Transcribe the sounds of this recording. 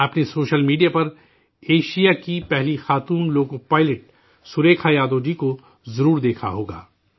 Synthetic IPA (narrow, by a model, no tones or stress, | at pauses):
ɐpnesoːʃəlmiːɖijapɐɾ | eːʃijakipɛɦlixaːt̪uːnloːkopaːɪləʈ̚ | sʊɾeːkʰajaːd̪oːd͡ʒiko | zɐɾuːɾd̪eːkʰa̰ɦoːɡa̰ː